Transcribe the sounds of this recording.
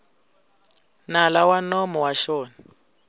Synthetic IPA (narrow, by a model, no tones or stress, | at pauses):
nalawanɔmɔwaʃɔːna